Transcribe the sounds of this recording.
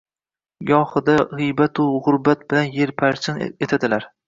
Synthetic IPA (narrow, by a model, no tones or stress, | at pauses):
ɡɒhɨd̪aʁɨjbat̪ʰʊʁʊɾbat̪̚bɪlanje̞ɾpʰaɾt͡ʃʰɪnet̪ʰad̪ɪlaɾ